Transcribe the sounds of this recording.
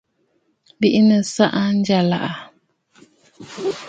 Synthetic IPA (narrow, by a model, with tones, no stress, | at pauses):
bi˦ʔi˦nə˨sa˦ʔa˦n˦d͡ʒa˨la̰˨ʔa˨